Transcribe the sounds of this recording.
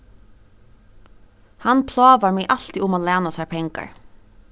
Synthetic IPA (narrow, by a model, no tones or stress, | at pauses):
hɑnpʰlɑːʋɑmeːʔɑl̥t̪ɪʔʊmoːlæːnɑsæːpʰɛŋkɑ̰ɹ